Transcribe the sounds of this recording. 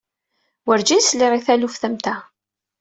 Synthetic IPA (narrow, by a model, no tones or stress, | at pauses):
wəɾd͡ʒisliɾiθælufθæmt̪æ